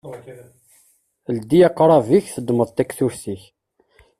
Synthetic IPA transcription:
ld̪iɑqːɾˤɑviçθəd̪məðˤt̪ækθʊɾsiç

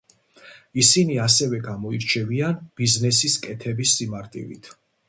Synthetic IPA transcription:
isiniasɛvɛɡamɔiɾt͡ʃʰɛvianb̥iznɛsiskʼɛt̪ʰɛbisːimaɾt̪ʼḭvḭt̪ʰ

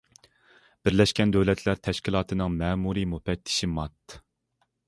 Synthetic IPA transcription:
b̥ɪɾlɛʃkʲɛnd̪øwlɛt̪ʰlæɾt̪ʰɛʃkʲilˠɑːt̪ʰɨnɨŋmɛːmuɾimupɛt̪ʰːɪ̥ʃimɑt̪

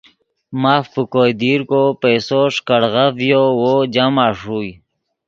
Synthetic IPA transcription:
mafpəkojd̪iɾkopejsoʂkəɽɣavjowod͡ʑamaʂuj

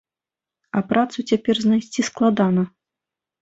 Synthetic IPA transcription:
ɐpɾat̪sut͡sʲapʲɛrznajsʲt͡sʲisklˠad̪anɐ

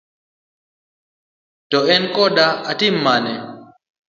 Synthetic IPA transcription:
tɔɛnkɔɗaatimːanɛ

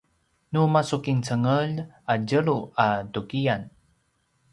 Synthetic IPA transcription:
numasukint͡səŋəl | ad͡ʒəɾuatukijan

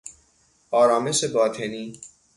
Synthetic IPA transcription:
ɒːɾɒːme̞ʃebɒːt̪ʰeniː

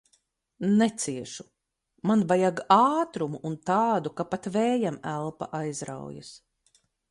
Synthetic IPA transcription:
nɛt̪siɛʃu̥ | manvajaɡaːt̪ɾumuʔːnt̪aːd̪ukapat̪vɛːjamælˠpa̰ʔajzɾa̰wja̰s

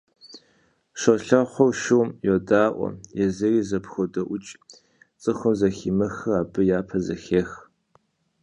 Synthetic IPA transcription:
ʂɐɬɐχʷɔwʃɪwmjodaːʔʷɔ̰jɛzɐriːzɐpxɔdɐʔʷʊt͡ʃʼ | t͡sʼɨxʷʊmzɐxiːmɐxɨaːbɨjaːpʰɐzɐxeːx

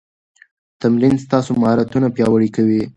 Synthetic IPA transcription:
t̪amɾinst̪ɑsomhɑɾat̪unapjɑwəɽikawi

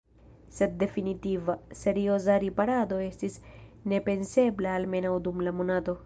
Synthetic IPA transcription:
se̞d̚ːe̞finitivase̞ɾio̞zaɾipaɾado̞e̞stisne̞pe̞nse̞blaalme̞nawdumlamo̞nato̞

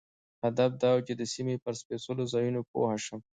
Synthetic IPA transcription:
had̪ab̚d̪ɑwt͡ʃed̪əsimepəɾspesəlozɑjunopo̰haʃəm

